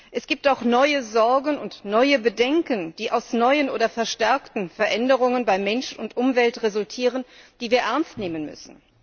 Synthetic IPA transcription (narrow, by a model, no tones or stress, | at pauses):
ʔɛsɡ̥iːp̚taʊxnɔʏəzɔɐɡn̩ʊntnɔʏəbədɛŋkənd̥iːʔaʊsnɔʏənʔoːdɐfɛɐʃtɛɐktn̩fɛɐʔɛndəʁ̞ʊŋənbaɪmɛnʃʊntʔʊmvɛltʁezʊltʰiːʁ̞ənd̥iːviːɐʔɛɐnstneːmənmʏ̰sn̩